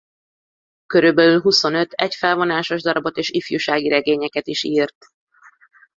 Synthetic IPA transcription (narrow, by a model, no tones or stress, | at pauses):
kø̞ɾylbɛlylɦuso̞nø̞t̪ʰɛcfɛlvonaːʃo̞ʒd̪ɒɾɒbo̞t̪eːʃifjuːʃaːɡiɾɛɡeːɲɛkɛt̪iʃiːrt̪